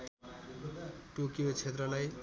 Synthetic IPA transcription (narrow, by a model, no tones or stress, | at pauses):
ʈukijot͡ʃʰet̪ɾʌlaj